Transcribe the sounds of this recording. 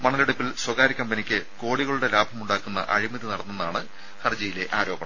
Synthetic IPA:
mɐɳɐleɽupːilswɐɣaːɾikʲːɐmbɐnikʲːɨko̞ːɽiɣɐɭuɽe̞laːbʱɐmuɳɖaːkːunːɐ̰ʔɐ̰ɻimɐðinɐɽɐnːunːaːɳɨ | hɐrd͡ʑɐjile̞ʔaːɾo̞ːbɐɳɐm

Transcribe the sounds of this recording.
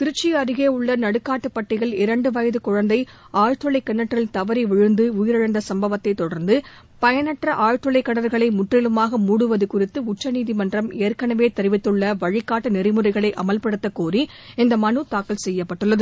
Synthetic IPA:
t̪ɪɾɯt͡ʃːiɐɾɯɣeːʊɭːɐnɐɽɯkːaːʈːɯpːɐʈːɪɣɐɭɪɾɐɳɖɯʋɐjɐðɯkʊɻɐnd̪ɐɪ | aːjʈrɯɭɐɪkːɐnːɐʈːrɪlt̪ɐʋɐɾiʋɛɻɯnd̪ɯʊjɪɾɐɻɐnd̪ɐsɐmbɐʋɐt̪ːɐɪt̪ːɔɽɐɾnd̪ɯ | pɐjɐnɐʈrɐʔaːjʈɾɔɭɐɪkːɐɳɐɾɣɐɭɐɪmʊʈrɪlɯmaːɣɐmuːɽɯʋɐðɯkʊrɪt̪ːɯʊt͡ʃːɐniːðimɐndrɐmeːɾkɐɳɐʋeːt̪ɛɾɯʋɪt̪ːɯɭːɐʋɐɻɪkːaːʈːɯnɪrɪmɯrɐɪɣɐɭɐɪʔɐ̰mɐlpɐɽɯt̪ːɐkoːri | ɪnd̪ɐmɐnɯt̪aːkːɐlsɛjːɐpːɐʈːɯɭːɐðɯ

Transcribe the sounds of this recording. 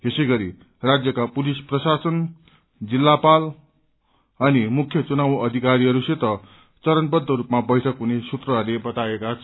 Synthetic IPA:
esʌjɡʌɾi | rad͡zjʌkapulisprʌsasʌn | d͡zilːapal | ʌnimukʰjʌt͡sunawʌd̪ʱikaɾiɦʌɾuset̪ʌ | t͡sʌɾʌnbʌd̪ʱːʌɾupmabʌjʈʰʌkɦunesut̪rʌɦʌrlebʌt̪aekat͡sʰ

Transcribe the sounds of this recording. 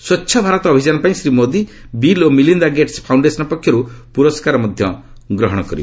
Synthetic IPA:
swɔtːʃʰɔbʱaɾɔt̪ɔːbʱid͡ʒanɔpaĩsɾimod̪i | bilomilind̪aɡeʈspʰawɳɖesɔnɔpɔkʰːjɔɾupuɾɔskaɾɔmɔd̪ʱjɔ | ɡɾɔɦɔɽ̃ɔkɔɾib

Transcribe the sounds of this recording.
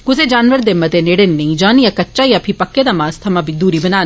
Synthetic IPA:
ɡʊzed͡ʒaːnʋəɾd̪emɐt̪eneɽenːɐĩd͡ʒaːnijakɐtːt͡ʃajapʰipɐkːed̪amaːst̪ʰɐmabʱid̪uːɾibɐnaːn

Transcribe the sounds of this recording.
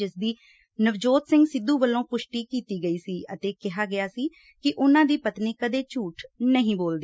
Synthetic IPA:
ɪsd̪iː | nəʋd͡ʒoːt̪sɪ̃ŋɡsɪd̪ːuːbəlːõːpʊʃʈiːkiːt̪iːɡəiːsiːət̪eːkɪɦaːɡɪaːsiː | kɪʔʊnãːd̪iːpət̪niːkəd̪eːt͡ʃuːʈʰnəɦĩːboːld̪eː

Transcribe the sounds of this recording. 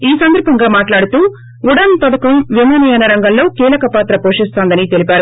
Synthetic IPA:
iːsɐnd̪ɐɾbʱɐŋɡaːmaːʈlaːɽut̪uː | uɽɐnt̪ɔɽɐkɐmʋimaːnɐjaːnɐɾɐŋɡɐmlo̞ːkiːlɐkɐpaːt̪ɾɐpoːʂist̪aːnd̪ɐnit̪elipʲaːɾu

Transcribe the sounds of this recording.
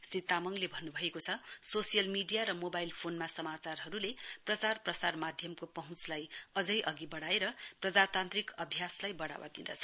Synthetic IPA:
srit̪amʌŋlebʱʌnːubʱʌekot͡sʰʌsosijʌlmiɖijaɾʌmobajlpʰonmasʌmat͡sarɦʌɾuleprʌt͡sarprʌsarmad̪ʱjʌmkopʌɦũt͡slajʌd͡zʌjʔʌɡibʌɽaeɾʌprʌd͡zat̪ant̪rikʌbʱjaslajbʌɽa̰wa̰t̪ind̪ʌ̰t͡sʰʌ̥

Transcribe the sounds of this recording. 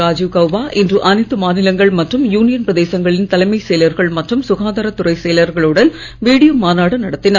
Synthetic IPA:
aːd͡ʒukɐʋʋaːʔɪndrɯʔɐnɐɪt̪ːɯmaːnɪlɐŋɡɐɭmɐʈrɯmjuːnɪjɐnprɐðeːsɐŋɡɐɭɪnt̪ɐlɐɪmɐɪsejlɐɾɣɐɭmɐʈrɯmsʊɣaːnd̪ɐɾɐt̪ːʊrɐɪsejlɐɾɣɐɭɯɽɐn | ʋiːɽɪjomaːnaːɽɐnɐɽɐt̪ːɪnɐɾ

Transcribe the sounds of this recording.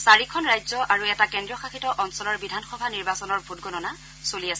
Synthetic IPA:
saɹikʰɔnɹajzɔʔaɹuɛtakɛndɹiɔxaxitɔʔɔnsɔlɔɹbidʱanxɔbʱaniɹbasɔnɔɹbʱutɡɔnɔna | soliasɛ

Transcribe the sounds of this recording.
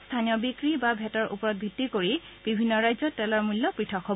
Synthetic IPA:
stʰanijɔbikɹibabʱɛtɔɹʔṵpɔɹɔt̚bʱitːikoɹi | b̥ibʱinːɔɹajzɔtɛlɔɹmulːɔpɹitʰɔkʰːɔb

